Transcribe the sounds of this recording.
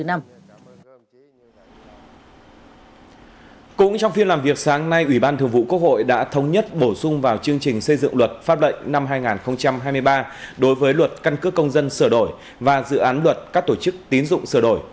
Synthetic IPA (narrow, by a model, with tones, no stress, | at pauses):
ɨ˨˦na˧m | kʊ̰˧˥ŋ͡mt͡ɕɔ˧wŋ͡mfi˧ənlaː˨˩mvi˨˩ək̚saː˨˦ŋna˧jʔwi˧˩ɓaː˧nt̪ʰɨ˨˩əŋvṵ˧˨ku˦˥k̚ho̰˧˨jɗa̰ː˧˥t̪ʰə˨˦wŋ͡mɲə˦˥t̚ɓo˧˩sʊ˧ŋ͡mvaː˨˩wt͡ɕɨ˧əŋt͡ɕï˨˩ŋ̟sə˧jzɨ̰˧˨ŋlwə˨˩t̚faː˦˥p̚lə̰˧˨jŋ̟na˧mɦaː˧jŋaː˨˩nxə˧wŋ͡mt͡ɕa˧mɦaː˧jmɨ˧əjɓaː˧ɗo˨˦jvəː˨˦jlwə˨˩t̚ka˧nkɨ˦˥kːə˧wŋ͡mzə˧nsəː˧˩ɗo˧˩j | vaː˨˩zɨ̰˧˨ʔaː˨˦nlwə˨˩t̚kaː˦˥k̚t̪o˧˩t͡ɕɨ˦˥k̚t̪i˨˦nzʊ̰˧˨ŋ͡msɨː˧˩ɗo˧˩j